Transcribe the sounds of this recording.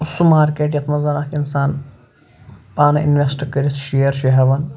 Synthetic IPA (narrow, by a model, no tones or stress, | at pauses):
usumaːɾkeːʈ̬jɐt̪ʰmɐzɐnakinsaːn | paːnɐḭnʋʲesʈkəɾʲisʰʃijɐɾʃiɦɐʋɐn